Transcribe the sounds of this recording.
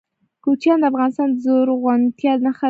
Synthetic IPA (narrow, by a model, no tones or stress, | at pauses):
kot͡ʃjɑnd̪əafɣɑnɪst̪ɑnd̪əzoɾɣwant̪jɑd̪naxa